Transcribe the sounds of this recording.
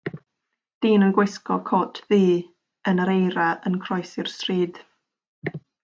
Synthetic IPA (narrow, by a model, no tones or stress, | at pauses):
d̥iːnənɡwɪskɔkʰɔtʰðiː | ənəɾejɾaʔənkʰrɔjsɪr̥striːd̥